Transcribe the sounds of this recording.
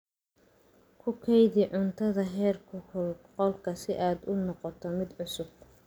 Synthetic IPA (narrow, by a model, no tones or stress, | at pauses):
kʰʊkʰɛjðɪʕʊnt̪ʰɐðɐɦɛːrkʰʊqɔlkʰɐsɪʔaːd̪ʊnɔqɔt̪ʰɔmɪd̪ʕʊsʊb̚